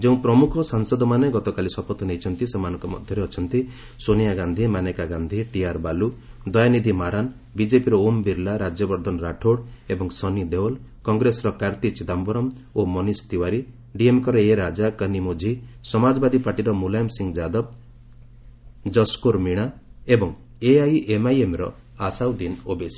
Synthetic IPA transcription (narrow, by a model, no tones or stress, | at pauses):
d͡ʒeũpɾɔmukʰɔsaŋsɔd̪ɔmaneɡɔt̪ɔkalisɔpɔt̪ːɔnejt͡ʃʰɔnt̪isemanɔŋkɔmɔ̰d̪ʱjɔɾeɔt͡ʃʰɔnt̪i | sonijaɡand̪ʱimanekaɡand̪ʱiʈiaɾbalud̪ɔjanid̪ʱimaɾan | bid͡ʒepiɾɔombiɾlaɾad͡ʒjɔbɔɾd̪ʱɔnɾaʈʰoɽebɔŋsɔnid̪ewɔl | kɔŋɡɾesɾɔkaɾt̪it͡ʃid̪ambɔɾɔmomɔnist̪iwaɾi | ɖiemkɔɾɔeɾad͡ʒakənimod͡ʒʱisɔmad͡ʒɔbad̪ipaʈiɾɔmulajmsiŋɡd͡ʒad̪ɔb̚ | d͡ʒɔskoɾmiɽ̃aebɔŋ | eajʔemajemɾɔ̰ | asawd̪inobesi̥